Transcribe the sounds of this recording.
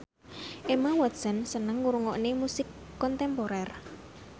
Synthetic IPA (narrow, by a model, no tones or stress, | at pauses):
ʔemawḁsə̤nsənəŋːuɾuŋɔʔnemusɪkːɔnt̪ɛmpoɾɛr